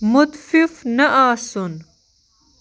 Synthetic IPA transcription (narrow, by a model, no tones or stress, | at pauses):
mut̪fifnɐʔaːsun